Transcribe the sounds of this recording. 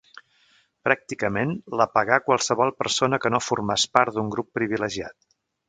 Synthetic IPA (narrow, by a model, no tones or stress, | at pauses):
pɾak̚t̪ikəmenləpəɣakwəlˠsəβɔlˠpərsonəkənofurmaspaɾt̪d̪uŋɡɾupːɾiβiləʒia̰t̪̚